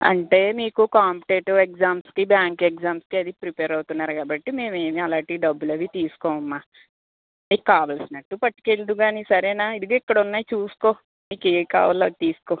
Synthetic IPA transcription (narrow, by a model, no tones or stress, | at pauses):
ɐ̰ɳʈe̞ːmiːkukaːmpi̥ʈeːʈɐɾʋekzaːmskibjaːŋkek̚d͡ʒaːmskiɐd̪ipɾipeːɾɐwt̪unːaːɾukaːbɐʈːime̞ːme̞ːmiɐlaːɳʈiɖɐbːulɐʋit̪iːsu̥koːʋɐmːaː | miːkukaːʋɐlsinɐʈːupɐʈːi̥ke̞lt̪uɡaːnisɐɾɛːnaːid̪iɡaːikːɐɽɐunːaːjit͡ʃuːsu̥ko̞ː | miːkeːʋika̰ːʋɐloːt̪iːsu̥koː